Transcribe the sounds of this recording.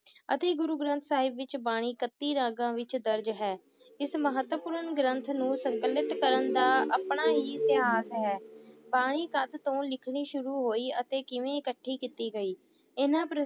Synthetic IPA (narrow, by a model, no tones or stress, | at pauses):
ə̰t̪eːɡʊɾuːɡɾə̃nt̪ʰsaːɦɪbʋɪt͡ʃbaːɽ̃iːkət̪ːiːɾãːɡãːʋɪt͡ʃd̪əɾd͡ʒɦɛː | ɪsməɦət̪ʋəpʊːɾənɡɾənt̪ʰnũːsəŋkəlːɪt̪kəɾənd̪aːʔəpɳaːɦiːɪt̪ɪɦaːsɦɛːbaːɽ̃iːkəd̪t̪õːlɪkʰɽiːʃʊɾuːɦoːiːət̪eːkɪʋẽːɪkəʈʰːiːkɪt̪iːɡəiː | ɪnãːpɾ